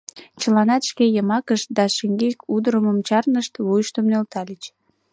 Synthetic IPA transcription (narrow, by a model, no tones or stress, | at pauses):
t͡ɕəlɑnɑt̪ʃkejəmɑkəʃt̪̚d̪ɑʃeŋɡekud̪əɾəməmt͡ɕɑrnəʃt̪βujʃt̪əmnølt̪ɑlʲit͡ɕ